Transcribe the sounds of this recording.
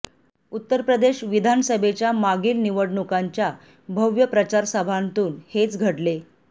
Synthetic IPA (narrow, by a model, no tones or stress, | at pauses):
ut̪ːəɾpɾəd̪eɕʋid̪ʱanəsəbʱet͡ɕjamaɡiːlniʋəɽɳukaɲt͡ɕja | bʱəʋjəpɾət͡ɕaɾsəbʱant̪uːnhet͡sɡʱəɽle